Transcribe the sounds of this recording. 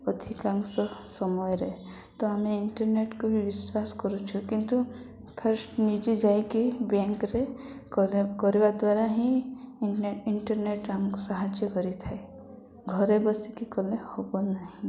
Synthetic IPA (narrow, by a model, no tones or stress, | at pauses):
ɔd̪ʱikãŋɡsɔsɔmɔjɾe | t̪ɔameɪɳʈəɾneʈkobʱiʋɪswaskɔɾut͡ʃʰukĩnt̪u | pʰəɾsʈnid͡ʒid͡ʒaikibɛ̃ŋkɾe | kɔɾebad̪waɾaɦĩ | ɪɳʈəɾneʈamkosaɦad͡ʒjəkɔɾit̪ʰae | ɡʱɔɾebɔsikikɔlehobonaɦĩ